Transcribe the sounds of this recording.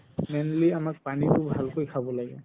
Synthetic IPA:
menliamak̚panitʊbʱalkojkʰabɔlaɡɛ

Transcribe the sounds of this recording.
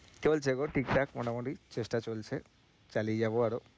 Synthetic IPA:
kebolt͡ʃʰeɡoʈikʈakmɔnamɔɖit͡ʃesʈat͡ʃolt͡ʃʰe | t͡ʃalied͡ʒaboaɾo

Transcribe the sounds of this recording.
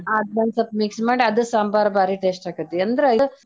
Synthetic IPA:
aːd̪ʋaːnsɐpmiksmaːɽiɐd̪ɨsaːmbaːɾɐbaːɾiʈeːsʈaːɡɐt̪ːeɐnd̪ɐɾeɐ

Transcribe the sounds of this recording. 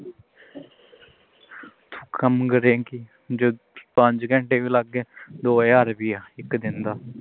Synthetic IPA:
t̪ʰu̥kəmɡəɾeːkiː | d͡ʒoː | pə̃ɲd͡ʒɡə̃ɳʈeːʋiːləɡeːd̪oːjaːɾbiːaːɪkd̪ɪnd̪aː

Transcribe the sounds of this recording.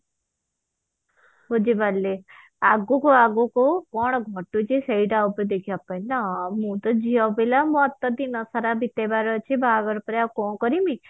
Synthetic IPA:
ɦod͡ʒibalːe | aɡokoaɡokokɔɳ̃ɡʱɔʈut͡ʃeseiɖawped̪ekʰiapajnamũt̪ɔd͡ʒiabelamɔ̃ɔt̪ːɔd̪inɔsaɾabit̪ebaɾɔt͡ʃʰebʱaɡɔɾpɔɾakɔ̃kɔɾimi

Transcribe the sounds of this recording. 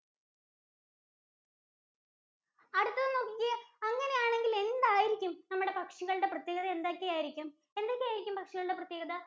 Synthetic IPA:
ɐɽut̪ːɐðɐno̞ːkːiɣɐɐŋːɐne̞jaːɳe̞ŋɡile̞nd̪aːjiɾikʲːumnɐmːuɽe̞pɐkʂɐɣɐɭɽe̞prɐt̪jeːɣɐðɐend̪aːkʲːejaːjiɾikʲːum | e̞nd̪oːkʲːaːjiɾikʲːumpɐkʂɐɣɐɭuɽeprɐt̪jeːɡɐðɐ

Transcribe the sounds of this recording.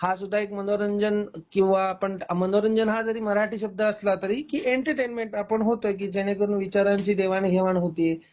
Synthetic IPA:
hasud̪ʱːaekmənoɾəɲd͡ʑənkĩw̃ʋapəɳmənoɾəɲd͡ʑənɦad͡z̪əɾiːməɾaʈiːɕəb̚d̪ʱːəːslat̪əɾiːkiːʔeɳʈəɾʈenmeɳʈapəɳɦot̪ojk̬iːd͡ʑeɽ̃ek̬əɾuːnʋit͡ɕaɾaɲt͡ɕiːd̪eʋanɡʱeʋanɦot̪iːe

